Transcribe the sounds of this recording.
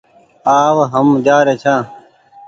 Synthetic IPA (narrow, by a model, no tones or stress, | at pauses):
aːwɦəmd͡ʑaːɾet͡ɕʰãː